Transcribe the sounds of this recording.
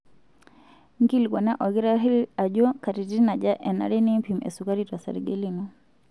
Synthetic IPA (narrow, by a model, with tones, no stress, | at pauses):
ŋɡi˦lɡɔ˨na˦ʔɔ˨ɡi˦ɾa˦ɦi˦la˨ɟɔ˦ka˨ɾi˨ti˦na˨d͡ʒa˦ʔɛ˨na̰˨ɾɛ˦ni˦mpi˨mɛ̰˨su˨ka˦ɾi˦ta˨sa̰˨ɾɡɛ˦li˦nɔ˦